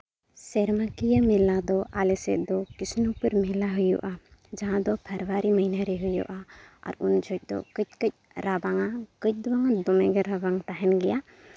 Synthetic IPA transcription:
sɛɾmakijəmɛlad̪ɔʔalɛsɛ̰t̪̚d̪ɔkisnupəɾmɛlaɦujɔ̰ʔad͡ʒaɦãd̪ɔpʰəɾwaɾiməɦinaɾɛɦujɔ̰ʔaa̰ɾṵnd͡ʒɔc̚ˀd̪ɔ̰kəc̚ˀkəc̚ | ɾabaŋakəc̚ˀd̪ɔwaŋad̪ɔmɛɡəɾabaŋt̪aɦɛnɡɛja

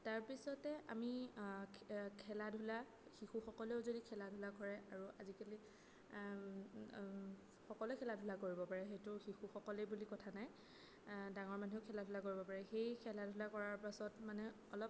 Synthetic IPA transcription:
taɹpisɔtɛʔa̰mi | kʰɛladʱula | xixuxɔkɔleʊzodikʰɛladʱulakɔɹɛʔaɹuʔazikali | xɔkɔlɛkʰɛladʱʊlakoɹibɔpaɹɛxejtʊxixuxɔkɔlejbulikɔtʰanaj | daŋɔɹmanʱeʊkʰɛladʱʊlakoɹibɔpaɹɛxejkʰɛladʱulakɔɹaɹpasɔtmanɛ | ɔlɔp

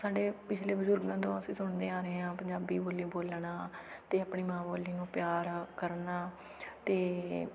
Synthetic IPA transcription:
saːɖeːpɪt͡ʃʰleːbəzʊɾɡãːt̪õːəsĩːsʊɳd̪eːaːɾeeːãːpəɲd͡ʒaːbiːboːliːboːlɳaːt̪eːapɳiːmãːboːliːnũːpɪjaːɾkəɾnaː | t̪eː

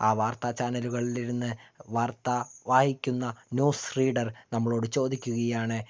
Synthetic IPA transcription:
aːʋaːrt̪ɐt͡ɕaːnɐluɣɐɭiliɾunːɨʋaːrt̪ɐʋaːhikʲːunːɐnuːsriːɖɐrnɐmːɐɭo̞ːɽɨt͡ɕo̞ːd̪ikʲːuɣɐjaːɳɨ

